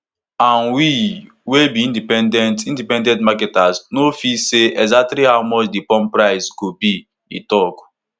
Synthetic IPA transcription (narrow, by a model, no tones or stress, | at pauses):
ãnwi | webiĩndipɛ̃ndɛ̃ntĩndipɛ̃ndɛ̃ntmakɛtasnofiseʔɛɡzak̚tliɦawmɔt͡ʃdipɔ̃mpɾaɪzɡobi | ḭ̃tɔk